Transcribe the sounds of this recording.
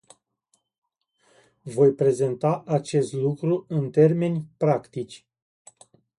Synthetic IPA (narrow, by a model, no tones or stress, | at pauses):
vo̞jpɾe̞ze̞nt̪aʔat͡ʃe̞st̪lukɾuɨnt̪e̞rme̞nʲpɾakt̪it͡ʃʲ